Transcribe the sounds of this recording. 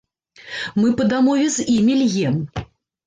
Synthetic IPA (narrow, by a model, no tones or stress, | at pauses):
mɨpɐd̪amɔvʲɛzʲimʲilʲɣʲɛm